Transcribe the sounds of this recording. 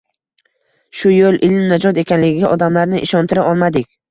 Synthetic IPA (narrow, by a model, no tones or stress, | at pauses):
ʃʊjolˠʔɪlmnad͡ʒɒt̪e̞kʲanlɪɡʲɪɡʲaʔɒd̪amlaɾnɪʔɪʃɒnt̪ʰɪɾaʔɒlˠmad̪ɪkʲ